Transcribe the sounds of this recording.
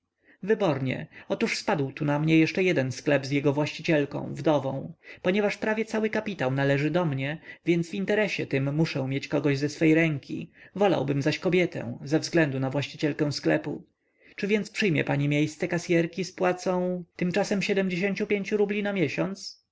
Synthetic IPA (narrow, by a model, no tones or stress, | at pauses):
vɘbɔɾɲɛ̰ɔt̪uʂspad̪wt̪unamɲɛjɛʂt͡ʂɛjɛd̪ɛnsklɛbzjɛɡɔvwaɕt͡ɕit͡ɕɛlkɔ̰̃w̃vd̪ɔvɔ̃w̃pɔɲɛvaʂpɾavʲjɛt̪sawɘkapʲit̪awnalɛʐɘd̪ɔmɲɛvʲjɛnd̪svint̪ɛɾɛɕɛt̪ɘmːuʂɛ̃w̃mʲjet͡ɕkɔɡɔʑzɛsfɛjɾɛŋkʲḭvɔla̰wbɘmzaɕkɔbʲjɛt̪ɛ̰̃w̃zɛvzɡlɛnd̪unavwaɕt͡ɕit͡ɕɛlkɛ̃w̃sklɛpṵ | t͡ʂɘvʲjɛnt̪spʂɘjmʲjɛ̰paɲimʲjejst̪sɛkasʲjɛɾkʲispwat̪sɔ̃w̃t̪ɘmt͡ʂasɛmɕɛd̪ɛmd͡ʑeɕeɲt͡ɕupʲjeɲt͡ɕuɾublʲinamʲjɛɕɔnt̪s